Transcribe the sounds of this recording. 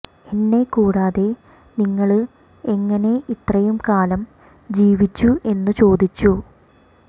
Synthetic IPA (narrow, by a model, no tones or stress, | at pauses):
enːe̞kuːɽaːðe̞ | niŋːɐɭ | e̞ŋːɐne̞ʔit̪rɐjumkaːlɐm | d͡ʑiːʋit͡ɕːuʔe̞nːut͡ɕo̞ːd̪it͡ɕːu